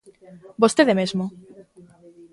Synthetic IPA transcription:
bost̪eðemezmo

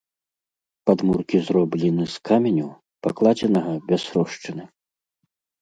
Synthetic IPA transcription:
pad̪murkʲizɾɔblʲɛnɨskamʲɛnʲu | paklˠad͡zʲɛnɐɣɐbʲɛsɾɔʂt͡ʂɨnɨ

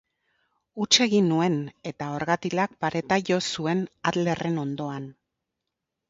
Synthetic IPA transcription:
ut͡ʃe̞ɣinːue̞ne̞t̪ao̞ɾɣat̪ilak̚paɾe̞t̪aʝo̞sue̞naðle̞re̞no̞nd̪o̞an

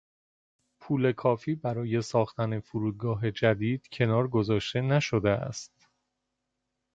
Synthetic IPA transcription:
pʰuːle̞kʰɒːfiːbæɾɒːje̞sɒːxt̪æne̞fuɾuːd̪̚ɡɒːɦe̞d͡ʒæd̪iːd̪̥cʰe̞nɒːɾɡo̞zɒːʃt̪e̞næʃo̞d̪eæ̰st̪

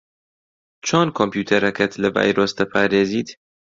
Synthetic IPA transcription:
t͡ʃʰoːnkʰompjuːt̪ʰɐɾɐkʰɐt̪lɐva̰ːjɾoːsd̪ɐpʰɑːɾeːziːt̪

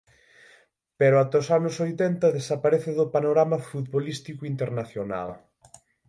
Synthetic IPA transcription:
peɾʊat̪osanʊsojt̪ɛnt̪ɐðesapaɾeθɪðʊpanoɾamɐfut̪βolist̪ikʊint̪eɾnaθjona̰l

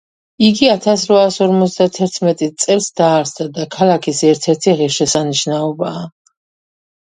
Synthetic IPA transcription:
iɡiat̪ʰasɾvaːsɔɾmɔt̪sʰd̪at̪ʰɛɾt̪ʰmɛt̪ʼit̪sʼɛlˠsd̪aːɾsd̪ad̪akʰalˠakʰisɛɾt̪ʰɛɾt̪ʰiʁɛʃɛsaniʃnaɔbaː

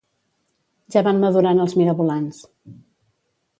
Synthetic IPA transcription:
ʒaβanməðuɾanəlˠzmiɾəβulans

